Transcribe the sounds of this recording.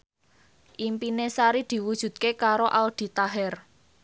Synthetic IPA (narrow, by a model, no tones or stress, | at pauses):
ʔimpinesaɾid̪̥i̤wud̥ʒ̥ṳd̪̚kekaɾoʔald̪̥i̤t̪aɦɛr